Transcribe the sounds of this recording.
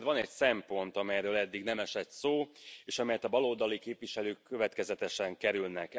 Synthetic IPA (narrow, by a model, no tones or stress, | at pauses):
t̪ʋɒnɛcsɛmpo̞nt̪ɒmɛjrøːlɛd̪ːiɡnɛmɛʃɛt̪soːeːʃɒmɛjɛt̪ɒbɒloːd̪ɒlikeːpʋiʃɛløːkːøvɛt̪kɛzɛt̪ɛʃɛŋkɛɾylnɛk